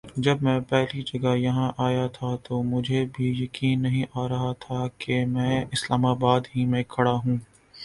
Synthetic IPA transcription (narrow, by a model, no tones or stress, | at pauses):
d͡ʒɐbmɛ̃ːpɛɦlid͡ʒɐɡəjɐɦãʔaːjat̪ʰat̪omʊd͡ʒʱebʱijɐkiːnːɐɦĩʔaːɾɐɦat̪ʰakemɛ̃ːɪslaːmaːbaːd̪ɦimẽːkʰɐɽaɦũː